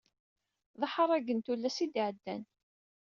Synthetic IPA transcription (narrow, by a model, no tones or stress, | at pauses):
ðˤəħəɾˤæɡənt̪ulːæsid̪iʕəd̪ːæn